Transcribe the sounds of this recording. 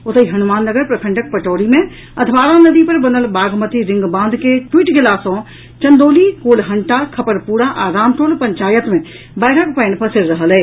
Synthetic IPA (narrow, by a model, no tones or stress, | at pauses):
ʊt̪əiɦɐnʊmaːnːəɡəɾpɾɐkʰə̃ɳɖək̚pəʈoːɾimẽ | ɐt̪ʰbaːɾanɐd̪ipɐɾbɐnəlbaːɡmət̪iɾɪ̃ŋɡbãːnd̪ʱkeʈwiːʈɡʱɪlaːsõ | t͡ʃɐ̃nd̪oːlikoːlɦɐɳʈakʰɐpəɾpuːɾaʔaːɾaːmʈoːlpɐ̃ɲt͡ʃaːjət̪mẽ | baːɾəkpəɪnpɐsɪɾɾəɦəleː